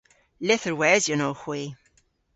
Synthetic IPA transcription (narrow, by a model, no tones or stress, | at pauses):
lɪθəɹwɛzjənoːhw̥i